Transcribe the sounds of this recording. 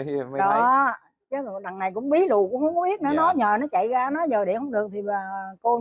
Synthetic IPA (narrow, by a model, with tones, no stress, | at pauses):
ɗɔ˨˦˨ | t͡ɕə˨˦zɗa˨˩ŋna˨˩jkʊ̰˧˥ŋ͡mɓi˨˦lṵ˧˨kʊ˧˥ŋ͡mhə˧˥wŋ͡mkɔ˦ɓi˦˥ət̚nɔ˨˦nɔ˨˦ɲəː˨˩nɔ˨˦t͡ɕa̰˧˨jɣaː˧nɔ˨˦zəː˨˩ɗe˧˩hə˨˦ŋ͡mɗɨ˨˩ək̚t̪ʰi˨˩aː˨˩ko˧